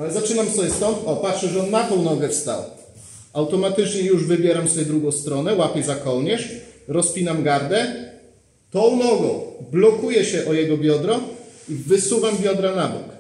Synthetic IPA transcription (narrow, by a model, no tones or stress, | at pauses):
alɛzat͡ʂɘnamsɔbʲjɛst̪ɔnt̪ɔpatʂɛʐɛɔnmat̪ɔ̃w̃nɔɡɛfst̪a̰w | awt̪ɔmat̪ɘt͡ʂɲɛjuʐvɘbʲjɛɾamsɔbʲɛd̪ɾuɡɔ̃w̃st̪ɾɔnɛwapʲjɛjzakɔwɲɛʂɾɔspʲinamɡaɾd̪ɛ | t̪ɔ̃w̃nɔɡɔ̰̃w̃blɔkujɛɕɛʔɔjɛɡɔbʲjɔd̪ɾɔivɘsuvambʲjɔd̪ɾanabṵk